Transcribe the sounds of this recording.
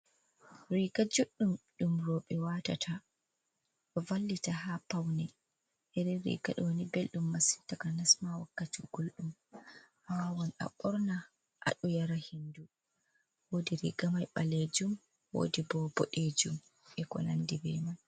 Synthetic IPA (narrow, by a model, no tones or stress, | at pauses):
ɾiɡad͡ʒoɗːumɗumɾoɓɛwata̰tʰa | ɔvalːitahapawnɛ | hɛɾɛɾḭːɡa̰ɗɔwnibelɗumːasi̥ntakanasmawakːatiɡ̥olɗumhaawɔna̰ɓɔɾna | ʔa̰ɗɔjaɾahindu | woːdiɾḭɡamajɓaled͡ʒum | wo̰ːdibɔbɔɗed͡ʒum | ɛkɔ̰nandibɛ̰man